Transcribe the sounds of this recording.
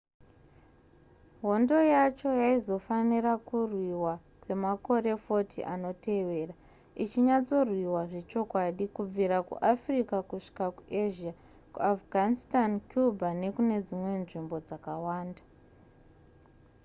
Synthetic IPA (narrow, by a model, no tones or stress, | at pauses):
ɦo̞ndo̞jat͡ʃo̞jaizo̞fanirakurwiwa | kwe̞mako̞ɾe̞fo̞tʰḭʔano̞te̞ʋe̞ːra | it͡ʃiɲat͡so̞rwiwaʐe̞t͡ʃo̞kwaɗikub͡viɾakṵʔafrikakuʂi̥kakuʔeʒia | kuafɡʱanistankjubʱane̞kune̞d͡zimwe̞nʐimbo̞d͡zakawaːnda